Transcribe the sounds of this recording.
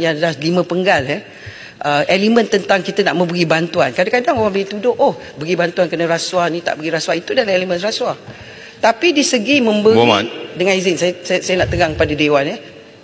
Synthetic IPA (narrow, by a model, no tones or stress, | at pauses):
jalahlimə̃pəŋɡalə | ʔəʔelimə̃nt̪ənt̪aŋkit̪ənaʔmə̃mbəɡibant̪uankadakadaŋowaŋbəlit̪udʊʔʔoh | bəɡibant̪uankənəɾaswanĩt̪a̰ʔbəɡiɾasuait̪udalamelimə̃nraswa | t̪apidisəɡimə̃mbəɡadəŋãnizɪnsassajənaʔt̪əɡaŋkəpadadewanə